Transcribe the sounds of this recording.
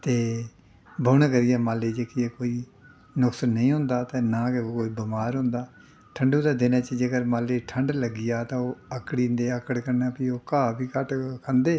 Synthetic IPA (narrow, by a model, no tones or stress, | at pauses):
t̪eː | bʱʊːɳkəɾɪjaːmaːleːd͡ʒeːkɪeːkoːiː | nʊksənːəĩːɦʊ̃nd̪aːt̪eːnãːkekoːiːbəmaːɾɦʊ̃nd̪aː | ʈʰəɳɖũːd̪aːd̪eːnãːt͡ʃəd͡ʒeɡəɾmaːleːʈʰəɳɖləɡɪjaːt̪ãːoːəkɽiːnd̪eːəkəɽkəɾnaːpiːoːkaːbiːkəʈkʰənd̪eː